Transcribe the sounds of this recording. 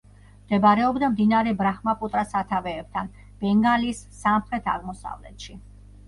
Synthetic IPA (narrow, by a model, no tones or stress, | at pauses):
md̪̥ɛbaɾɛɔbd̪amd̪inaɾɛbɾaχmapʼut̪ʼɾasat̪ʰavɛːb̚t̪ʰan | b̥ɛŋɡalisːamχɾɛt̪ʰa̰ʁmɔsa̰vlɛ̰t̪ʃi